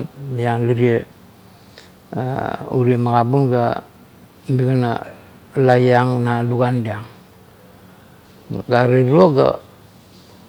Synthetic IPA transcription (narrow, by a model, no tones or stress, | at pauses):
ijaŋliɾie | ṵɾiemaɡabunɡa | miɡana̰ | lajaŋnaluɡandiaŋ | ɡaɾiɾoɡa̰